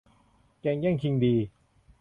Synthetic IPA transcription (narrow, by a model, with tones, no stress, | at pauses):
kɛː˧ŋjɛ˥˩ŋkʰi˧ŋdiː˧